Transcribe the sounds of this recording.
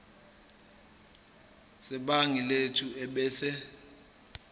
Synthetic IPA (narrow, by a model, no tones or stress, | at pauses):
sɛɓaŋiletʰuɛɓɛːsɛ